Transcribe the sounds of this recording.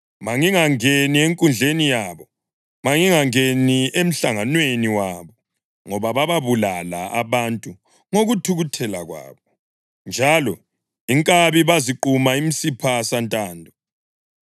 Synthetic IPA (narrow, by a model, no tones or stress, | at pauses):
maŋiŋaŋenieŋkʼund͡ɮʱenijaːβɔ | maŋiŋaŋeniem̩ɬaŋanweniwaβɔ | ŋɔβaβaβaβulala̰aβantʼu | ŋoɣutʰuɣutʰɛlaɣwa̰ːβɔ | nd͡ʒʱalɔ | iŋkʼaβiβaziǃumaimisipʰasantʼaːndʱɔ